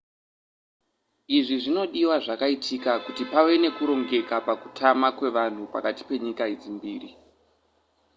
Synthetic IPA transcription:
iʐiʐino̞ɗiwaʐakaitʰikakutipawe̞ne̞kuɾo̞ŋɡe̞kapaku̥tʰamakwe̞ʋan̤upa̰kati̥pe̞ɲikaid͡zimbiːri

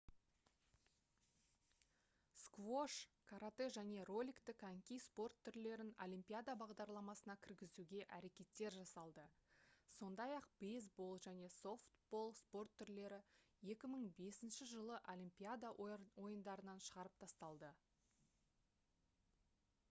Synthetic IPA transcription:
skvo̞ʃkʰaɾat̪e̞ʒæne̞ro̞lʲikt̪ɪkʰaŋkʲijspo̞rt̪ʰːʏɾle̞ɾɪnolʲimpʲijad̪abɑʁd̪ɑɾlˠɑmɑsənɑkʲʰɪɾɡʲɪzuɡʲe̞ʔæɾe̞kʲe̞t̪ːe̞ɾʒɑsɑlˠd̪əso̞nd̪ɑjɑqbejzbo̞lˠʒæne̞so̞ft̪bo̞lˠspo̞rt̪ʰːʏɾle̞ɾɪje̞kʲɪməɴbe̞sɪnʃɪʒəlˠəʔolʲimpʲijad̪awo̞jənd̪ɑɾənɑnʃəʁɑɾəp̚t̪ʰɑst̪ɑlˠd̪ə

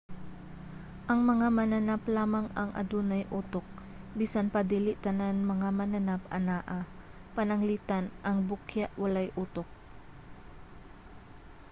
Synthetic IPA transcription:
ʔɐŋmɐŋamɐnɐnaplaːmɐŋɐŋʔɐ̰d̪uːnɐjʔuːt̪ok̚ | biːsanpɐd̪iːlɪʔt̪ɐnanmɐŋamɐnɐnapʔɐ̰naːʔa | pɐnɐŋliːt̪anʔɐŋbʊkjaʔwɐlajʔuːt̪ok̚

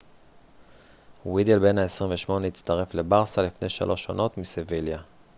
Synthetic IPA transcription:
wid̪elbe̞naesʁiɱveʃmo̞neit͡st̪aʁe̞fle̞baʁsalifne̞jʃa̰lʔo̞ʃo̰no̞tmisevilja

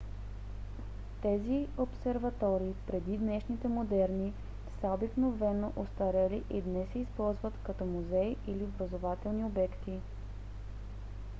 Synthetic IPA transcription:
t̪ɛziopsɛɾvɐt̪ɔɾiːpɾɛd̪id̪nɛʃnit̪ɛmod̪ɛɾni | fsɛobiknovɛnoʔost̪ɐɾɛliʔid̪nɛsɛispɔlˠzvət̪kɐt̪ɔmuzɛjiliobɾɐzovat̪ɛlˠniobɛkt̪i

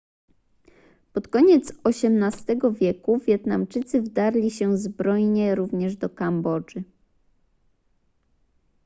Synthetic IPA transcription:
pɔt̪kɔɲɛt̪sɔɕɛmnast̪ɛɡɔvʲjɛkuvʲjɛt̪namt͡ʂɘt̪sɘvd̪aɾlʲiɕɛzbɾɔjɲɛɾuvɲɛʐd̪ɔkambɔd͡ʐɘ

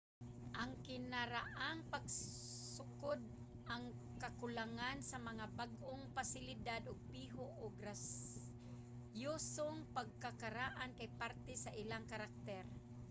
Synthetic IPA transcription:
ʔaŋkɪnaɾaʔaŋpaɡ̚sʊkʊd̪̚ | ʔaŋ | kakʊlaŋansamaŋabaɡʔʊŋpasɪlɪd̪ad̪ʔʊɡ̚piːɦoʔʊɡɾas | josoŋpaɡ̚kakaɾaʔankajpaɾt̪ɛsaʔɪlaŋkaɾak̚t̪ɛr

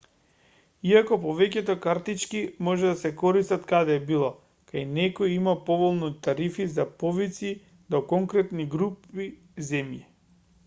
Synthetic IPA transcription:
iakɔpɔvɛcɛt̪ɔkaɾt̪it͡ʃkimɔʒɛd̪asɛkɔɾist̪at̪kad̪ɛːbilˠɔ | kajnɛkɔjimapɔvɔlˠnit̪aɾifizapɔvit̪si | d̪ɔkɔŋkɾɛt̪niɡɾupi | zɛmji

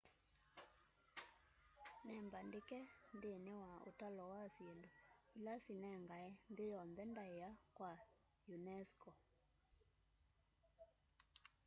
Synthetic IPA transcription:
nɛmbandekɛndeenewao̰talɔwasiendoilasinɛŋɡaɛndejɔnðɛndaeakwa | junɛskɔ

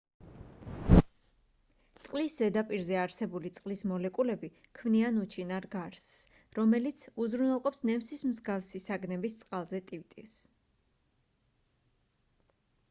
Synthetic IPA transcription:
t̪sʼqʼlisz̥ɛd̪apʼiɾzɛaɾsɛbulit̪sʼqʼlismɔlɛkʼulɛbi | kʰmnianut͡ʃʰinaɾɡaɾs | ɾɔmɛlit̪sʰuzɾunɛlˠqʼɔpsnɛmsismzɡafsisaɡnɛbist̪sʼqʼalˠzɛt̪ʼivt̪ʼḭfs

